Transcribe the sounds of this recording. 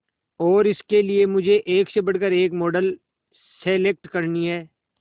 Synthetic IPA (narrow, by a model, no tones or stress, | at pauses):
ɔːɾɪskeliemʊd͡ʒʱeʔeːksebɐɽkəɾeːkmɔːɖəl | seːlek̚ʈkɐɾniɦɛː